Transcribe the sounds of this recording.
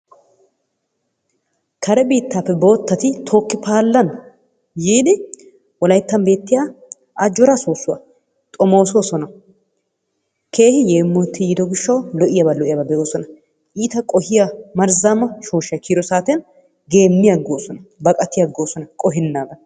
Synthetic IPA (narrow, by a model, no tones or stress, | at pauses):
kʰɐɾɛbiːt̪ːapːɛbo̞ːt̪ːɐt̪ɪt̪ʰoːkːɪpʰaːlːɐn | jiːd̪ɪ | wɔlɐjt̪ːɐmbe̞ːt̪ːɪjaː | ʔɐd͡ʒɔɾasoːsːʊwɐ̰ | t̪ʼɔmo̞ːsoːsɔnɐ | kʰe̞ːhɪjeːmːɔt̪ːɪjɪd̪ɔɡɪʃːɐwlɔʔɪjɐbɐlɔʔɪjɐbɐbɛʔo̞ːsɔnɐ | ʔiːt̪ɐkʼɔhɪjamɐɾzamɐʃoːʃɐkʰiːɾɔsaːt̪ɛn | ɡe̞ːmːɪjɐɡoːsɔnɐbɐkʼɐt̪ːɪjɐɡːo̞ːsɔnɐkʼɔɦɪnːaːɡ̪ɐ